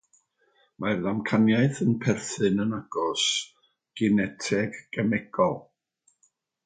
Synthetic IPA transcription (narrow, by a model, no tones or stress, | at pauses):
mʔarðamkʰanjaɨθənpʰɛrθɨnənaɡ̥ɔs | ɡ̥ɪnɛtʰɛɡ̥ːɛmɛɡ̥ɔlˠ